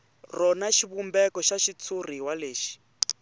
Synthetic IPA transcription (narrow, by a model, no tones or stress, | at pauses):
rɔnaʃiβumbɛkɔʃaʃit͡sʰuriɦwaleːʃi̥